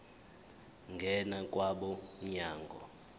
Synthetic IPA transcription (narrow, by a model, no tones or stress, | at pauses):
ŋɡʱɛnak̬ʼwaɓɔɲɲaːŋɡʱɔ̰